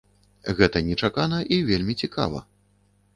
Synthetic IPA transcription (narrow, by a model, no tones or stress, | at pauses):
ɣɛt̪ɐnʲɛt͡ʂakanɐʔivʲelʲmʲit͡sʲika̰vɐ̰